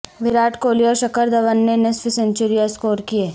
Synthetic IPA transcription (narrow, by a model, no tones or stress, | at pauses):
ʋɪɾaːʈkoːlijaʃɐkəɾd̪ɐʋənːenɛsfʰɪsẽnt͡ʃʊɾijaskoːɾkieː